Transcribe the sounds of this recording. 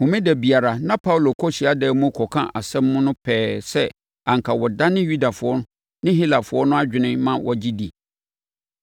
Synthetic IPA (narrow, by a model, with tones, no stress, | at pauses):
hʊ̃˨mɪ̃˦dɛ˨bi˨a˨ɾa˨nã˦pʰa˦wlo˨kʰɔ˦ɕi˨a˦dɛː˨˦mũ˦kʰɔ˨kʰã̰˦ʔa˨sɛ̃˦mːʊ̃˦nʊ̃˦pʰɛː˦sɛ˦ | ã˨ŋ˨kʰa˨wɔ˨da˦nɪ̃˦ju˦da˨fʊ˨˦ɔ˦nʊ̃˦ | nɪ̃˦hi˦la˨fʊ˨˦ɔ˦nʊ̃˦a˦d͡ʑᶣɪ˨nɪ̃˦mã˦wɔ̰˦d͡ʑi˦di˨